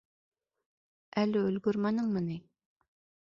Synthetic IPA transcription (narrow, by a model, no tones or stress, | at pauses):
ʔɛlːyølɡʲyɾmɑnɨŋmɨnɨ